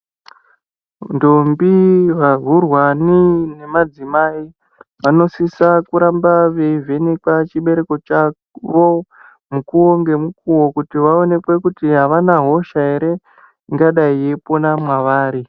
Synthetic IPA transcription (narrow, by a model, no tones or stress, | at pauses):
ndombiʋarurwanine̞mad͡zimai | ʋano̞sisakuɾambaʋe̞ive̞nikwat͡ʃiɓe̞ɾe̞ko̞t͡ʃa | ʋo̞ | mukuwoŋɡe̞mukuwo̞kutiʋao̞ne̞kwe̞kutiɦaʋanaɦo̞ʃae̞ɾe̞ | iŋɡaɗaie̞ponamwaʋaːɾi